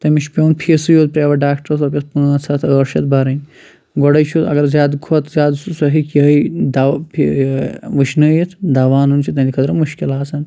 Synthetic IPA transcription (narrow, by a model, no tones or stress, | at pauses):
t̪ɐmit͡ʃpʲeunpʰisɨjoːt̪̚pɾeʋɐɖaːkʈɾsɐpʲɐspunt͡sʰɐt̪ʰəːɾʃɐt̪̚bɐɾɐnʲ | ɡɔɽɐjt͡ʃʰut̪ɐ̰ɡɐɾzjaːd̪ɡʰot̪zjaːd̪sɐɦikiɦɐjd̪apʰ | ʋɨʃnɐjit̪ʰd̪ɐʋaːnunt͡ʃʰit̪ɐnd̪ʲikʰɐt̪ɾɐmuʃkilaːsɐn